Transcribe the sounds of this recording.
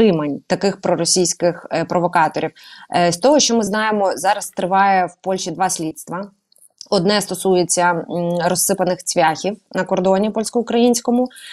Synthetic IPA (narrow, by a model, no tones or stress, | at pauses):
ɪmenʲt̪ɐkɪxpɾɔɾɔsʲijsʲkɪxpɾɔʋɔkɑt̪ɔɾʲiwsʲt̪ɔɦɔʃt͡ʃɔmɪznɑjemɔzɑɾɐst̪ɾɪʋɑjɛwpɔlʲʃid̪ʋɑsʲlʲit̪st̪ʋɐ | ɔd̪nɛst̪ɔsujet͡sʲːɐɾɔsːɪpɐnɪxt͡sʲʋʲaxʲiwnɐkɔrd̪ɔnʲipɔlʲsʲkɔʊkɾɐjinʲsʲkɔmʊ